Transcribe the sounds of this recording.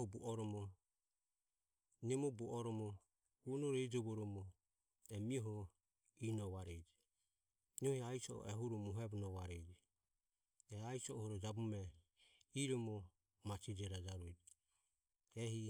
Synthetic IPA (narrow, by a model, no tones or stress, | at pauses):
ɔbuʔɔɾɔmɔ | nɛmɔbuɔɾɔmɔ | hunɔɾɛid͡ʒɔβɔɾɔmɔ | ɛmiɔɦɔ | inɔβaɾɛd͡ʒɛ | nɔhiaisɔɔ̰ʔɛɦuɾɔmuɦɛbunɔβaɾɛd͡ʒɛ | ɛaisɔɔhɔɾɔd͡ʒabumɛ | iɾɔmɔ | mat͡ʃid͡ʒɛɾad͡ʒaɾuɛd͡ʒ | ɛhi